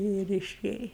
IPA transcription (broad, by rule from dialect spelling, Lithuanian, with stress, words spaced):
ɪr ɪˈʃʲeːjɛ